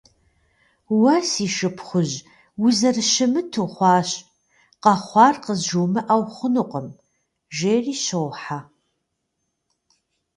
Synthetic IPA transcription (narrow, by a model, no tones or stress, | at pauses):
wɐsiːʃɨpʰχʷʊʑ | wʊzɐrɨʃɪmɨtʰuːχʷɑːɕ | qɐχʷɑːrqəzʒoːmɨʔawχʷʊnuqəm | ʒeːriːɕowħa